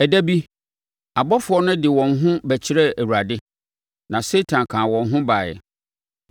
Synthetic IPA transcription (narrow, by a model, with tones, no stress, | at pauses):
æ˨dæ˦bi˦ | a˨bɔ˦fʊ˨˦ɔ˦nʊ̃˦dɪ˨wɔ̃˨nɦʊ̃˦bæ˨t͡ɕʰɪ˦ɾɛ˦æ˨wu˨ɾa˨dɪ˦ | nã˨se˦tʰã˨nkʰãː˨wɔ̃˨nɦʊ̃˦baː˨jɛ̰˨